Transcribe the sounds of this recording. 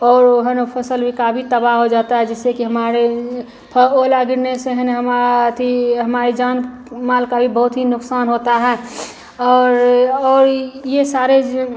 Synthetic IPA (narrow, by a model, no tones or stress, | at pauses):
ɔːɾɦənpʰəsəlbʱikabʱit̪əbaɦɦod͡ʒaːt̪aɦɛd͡ʒɛsekiɦəmaːɾe | pʰəolaɡɪɾneseɦənɦəmat̪ʰiɦəmaːɾed͡ʒaːn | maːlkabʱibəɦʊt̪ɦinʊksaːnɦoːt̪aɦɛː | ɔːɾɔːɾjesaːɾe